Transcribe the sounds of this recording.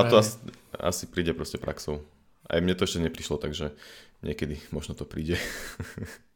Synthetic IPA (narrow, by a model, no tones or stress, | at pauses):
t̪ɔasia̰sipɾiːɟɛpɾɔscɛpɾʔa̰ksɔʊ | ʔa̰jmɲɛt̪ɔɛʃcɛɲɛpɾiʃlɔt̪aɡʒɛɲɪɛkɛd̪imɔʒnɔt̪ɔpɾiːɟɛ